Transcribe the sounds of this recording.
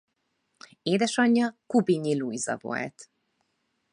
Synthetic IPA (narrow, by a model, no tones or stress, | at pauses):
eːd̪ɛʃɒɲːɒkubiɲilujzɒ̰vo̞̰lt̪